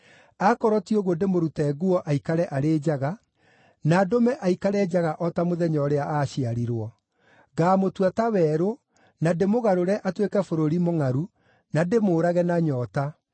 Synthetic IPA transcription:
akɔɾɔtioɣwɔndemoɾutɛɡuɔʔaikaɾɛʔaɾeːd͡ʑaɣa | nadomɛʔaikaɾɛd͡ʒaɣaʔɔtamoðɛɲɔɾeaʔaɕiaɾiɾwɔ | ɡaːmotwatawɛːɾo | nademoɣaɾoɾɛʔatwekɛfoɾoɾimoŋaɾu | nademoːɾaɣɛnaɲɔta

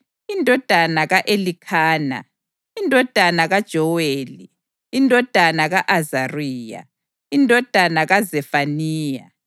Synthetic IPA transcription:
indʱɔd̥ʱanaɣaʔelikʰaːna̰ | indʱɔd̥ʱanaɣad̥ʒ̥ʱɔweːliː | ndʱɔd̥ʱanaɣaʔazariːja̰ | indʱɔd̥ʱanaɣazɛfaniːja̰

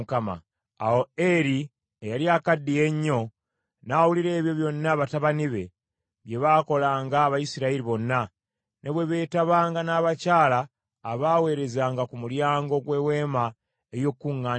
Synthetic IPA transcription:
kama̰ | a̰woeɾi | ejaliakadːijeɲːo̞ | nawuliɾe̞ːβjo̞βjo̞nːaβataβaniβe̞ | βje̞βako̞laːŋɡaːβaisiɾaeɾiβo̞nːa | nʔeβwe̞βe̞ːtaβaːŋɡanaːβacaːlaː | βaːwe̞ːɾe̞zaːŋɡakumuljaːŋɡo̞ɡwe̞we̞ːma | ejo̞kːuŋːaː

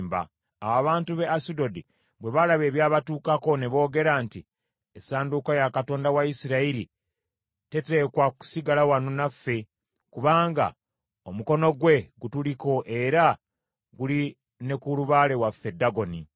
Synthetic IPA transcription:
mba̰ː | waβaːntuβe̞asido̞di | βwe̞βalaβe̞ːβjaːβatuːkako̞ne̞βo̞ːɡe̞ɾanti | esaːndukojakato̞ːndawaisiɾaiɾi | te̞te̞ːkwaku̥siɡalawanonafːe̞ | kuβaːŋɡa̰ | omuko̞no̞ɡwe̞ɡutuliko̞ʔe̞ɾa | ɡuli | ne̞kuluβaːle̞wafːe̞daɡo̞ni

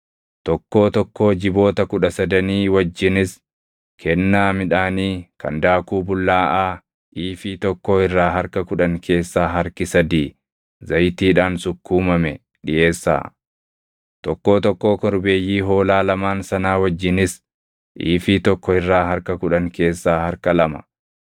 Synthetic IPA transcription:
t̪ɔkːo̞ːt̪ɔkːo̞ːd͡ʒɪbo̞ːt̪ɐkʊᶑɐsɐd̪ɐniːwɐd͡ʒːɪnɪs | kʰɛnːaːmɪᶑaːniːkɐ̰nd̪aːkuːbʊlːaːʔaː | ʔiːfiːt̪ɔkːo̞ːɪrːaːɦɐɾkɐkʊᶑɐŋkʰe̞ːsːaːɦɐɾkɪsɐd̪iː | zɐjt̪iːᶑaːnsʊkːuːmɐmɛ | ᶑɪʔe̞ːsːa̰ː | t̪ɔkːo̞ːt̪ɔkːo̞ːkɔɾbe̞ːjːiːɦo̞ːlaːlɐmaːnsɐnaːwɐd͡ʒːɪnɪs | ʔḭːfiːt̪ɔkːɔɪrːaːɦɐɾkɐkʊᶑɐŋkʰe̞ːsːaːhɐɾkɐlɐmɐ̥

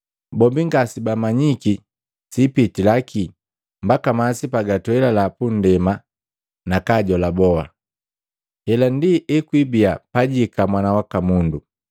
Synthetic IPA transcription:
bɔmbiŋɡasibamaɲiki | sipitilakʰi | mbakamasipaɡatuɛlalapun̩dɛma | nakaɟɔlabɔa̰ | hɛlandiʔɛkwibiapaɟikamwanawakamundu

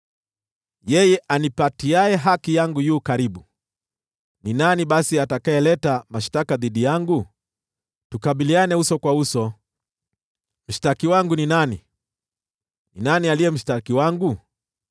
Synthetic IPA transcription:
jɛjɛʔanipatiaɛɦakijaŋɡujuːkaɾiɓu | ninaniɓasiatakaɛlɛtamaʃtakaðiɗijaŋɡu | tukaɓilianɛhusɔkwausɔ | m̩ʃtakiwaŋɡuninani | ninanialijɛm̩ʃtakiwaŋɡu

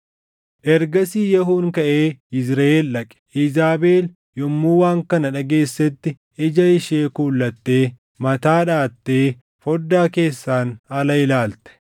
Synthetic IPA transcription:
ʔɛɾɡɐsiːjɛɦuːŋkɐʔeːɪsɾɐʔeːlᶑɐkʼɛ̥ɪzaːbeːl | jɔmːuːwaːŋkɐnɐᶑɐɡe̞ːsːɛt̪ːɪ | ɪd͡ʒɐɪʃeːkuːlːɐt̪ːe̞ː | mɐt̪aːᶑaːt̪ːe̞ː | fɔd̪ːaːke̞ːsːaːnɐlɐɪlaːlt̪ɛ̥

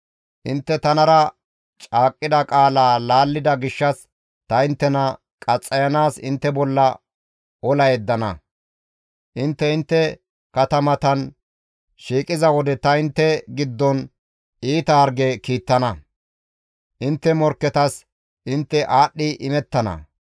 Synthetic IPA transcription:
ʔɪnt̪ːɛt̪ɐnɐɾɐ | t͡ʃʼaːkʼːɪd̪ɐkʼaːlaːlaːlːɪd̪ɐɡɪʃːɐs | t̪ɐɪnt̪ːɛnɐ | kʼɐt͡sʼːɐjɐnaːsɪnt̪ːɛbɔlːɐ | ɔlɐjɛd̪ːɐnɐ | ʔɪnt̪ːɛɪnt̪ːɛ | kɐt̪ɐmɐt̪ɐn | ʃiːkʼɪzɐwɔd̪ɛt̪ɐɪnt̪ːɛɡɪd̪ːɔn | iːt̪ɐːɾɡɛkiːt̪ːɐnɐ | ʔɪnt̪ːɛmɔɾkːɛt̪ɐs | ʔɪnt̪ːɛʔaːɗːɪʔɪmɛt̪ːɐnɐ̰

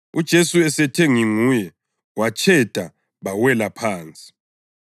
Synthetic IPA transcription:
ud̥ʒ̥ʱesuɛsɛtʰeŋiŋuːjɛ | wat͡ʃʰʼɛd̥ʱa | βawɛlapʰaːnt͡sʼi̥

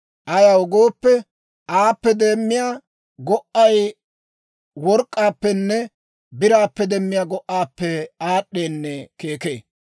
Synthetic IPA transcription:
ʔɐjaɔɡoːpːɛ | aːpːɛd̪e̞ːmːɪjaː | ɡɔʔɐj | wɔɾkʼːaːpːɛnːɛ | bɪɾaːpːɛd̪ɛmːɪjaːɡɔʔaːpːɛaːɗːeːnːɛke̞ːkḛː

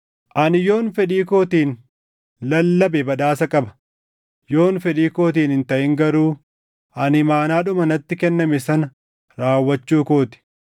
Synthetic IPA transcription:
ʔɐnɪjo̞ːnfɛᶑiːko̞ːt̪iːn | lɐlːɐbɛbɐᶑ̪aːsɐkʼɐbɐ̥ | jo̞ːnfɛᶑiːko̞ːt̪̬iːnɪnt̪ɐʔɪŋɡɐɾuː | ɐnɪmaːnaːᶑʊmɐnɐt̪ːɪkɛnːɐmɛsɐnɐ | ɾaːwːɐt͡ʃːuːko̞ːt̪ɪ̥

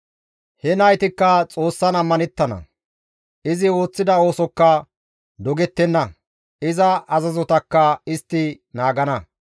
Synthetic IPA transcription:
hɛnɐjt̪ɪkːɐt͡sʼo̞ːsːɐnɐmːɐnɛt̪ːɐnɐ̰ | ʔɪzɪo̞ːt͡sːɪd̪ɐo̞ːsɔkːɐ | d̪ɔɡɛt̪ːɛnːɐ | ɪzɐʔɐzɐzɔt̪ɐkːɐɪst̪ːɪ | naːɡɐnɐ

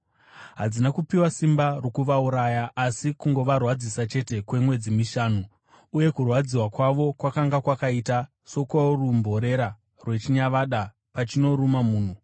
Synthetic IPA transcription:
ɦad͡zinakupiwasimbarokuʋauɾajaʔːsikuŋɡo̞ʋarwad͡zisat͡ʃe̞te̞kwe̞mwe̞d͡zimiʃaːnuː | je̞kurwad͡ziwakwaʋo̞kwakaŋɡakwakaita | so̞kwaorumbʱo̞ɾe̞ɾa | rwe̞t͡ʃiɲaʋaɗa | pat͡ʃino̞ɾumamuːn̤u

